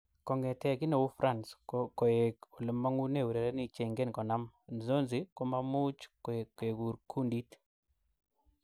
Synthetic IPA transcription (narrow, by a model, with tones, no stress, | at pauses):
kɔ˨ŋɡɛ˨tɛ˨ki˦ne˨wu˦fɾʔa˦˨nsoko˨e˨ku˨lɪ˨ma˦ŋu˦ne˨wu˨ɾe˨ɾɛ˦ni˨t͡ʃe˨ŋɡe˦nkɔ˨na˦mn˨zo˦nzi˦ko˦ma˦mu˦t͡ʃkke˨ɡu˨ɾkʰu˦ndi˦t